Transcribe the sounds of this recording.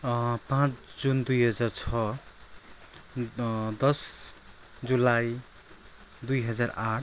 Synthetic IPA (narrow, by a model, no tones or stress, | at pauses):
pãt͡sʰd͡zund̪ujɦʌd͡zart͡sʰʌ | d̪ʌs | d͡zulaj | d̪ujɦʌd͡zaraʈ̚ʰ